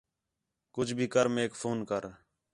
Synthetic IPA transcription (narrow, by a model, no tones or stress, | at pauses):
kʊd͡ʒʱbʱiːkəɾmeːkfʰoːnkəɾ